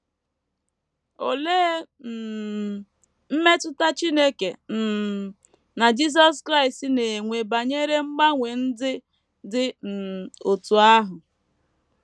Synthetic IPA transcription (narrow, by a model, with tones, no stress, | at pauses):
o̰˨leː˦ | n̩˨ | m̩˦me˦tʊ˦ta˦t͡ʃi˦ne˦ke˨n̩˨ | na˨d͡ʒi˦s̬ɔ˦skɾa˦ɪ˨sti˦ne˨ŋʷe˨ba˨ɲe˦ɾe˦ŋ͡m̩˦ɡ͡ba˦ŋʷe˨n̩˦dɪ˦ | dɪ˦m̩˨o˨tu˨a˦ɦʊ˨